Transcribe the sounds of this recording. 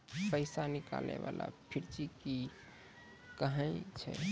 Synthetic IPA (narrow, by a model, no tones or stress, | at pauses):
pəɪsanika̰lneʋala̰pʰiɾt͡ʃiki | kəɦə̃ɪt͡ʃʰɛ̰